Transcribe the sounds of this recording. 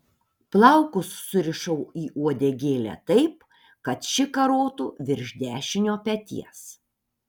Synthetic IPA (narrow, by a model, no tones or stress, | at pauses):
plˠɐʊkʊsːʊɾʲɪʃɐʊiːʔuɔd̪ʲeɡʲeːlʲæ̰t̪ɐɪp | kɐt̪ʃʲɪkɐɾoːt̪ṵːʋʲɪɾʲʒʲd̪ʲæːʃʲɪnʲoːpʲɛt̪ʲḭɛs